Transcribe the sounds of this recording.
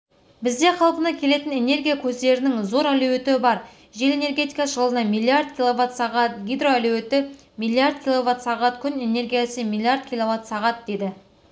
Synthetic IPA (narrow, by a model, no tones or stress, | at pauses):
bɪzd̪e̞qʰɑlˠpənɑkʲʰe̞le̞t̪ɪne̞ne̞rɡʲijakʲʰɵzd̪e̞ɾɪnɪŋzo̞ɾæluwe̞t̪ɪbɑɾ | ʒe̞le̞ne̞rɡʲe̞t̪ijkɑʒəlˠənɑmilʲˠiard̪kʲilˠovat̪sɑʁɑt̪ɡʲijd̪ro̞ælue̞t̪ɪ | mijlʲˠiard̪̚kʲilˠo̞vat̪sɑʁɑt̪kʲʰʏne̞ne̞ɾɡʲijasəmilʲˠijaɾd̪̚kʲilˠo̞vat̪sɑʁɑt̪̚d̪ed̪ɪ